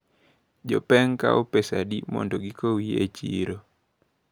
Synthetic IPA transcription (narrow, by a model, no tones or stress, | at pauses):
d͡ʒɔpɛŋka̰ʔopesadimɔ̰ndoɡikowiet͡ʃḭɾo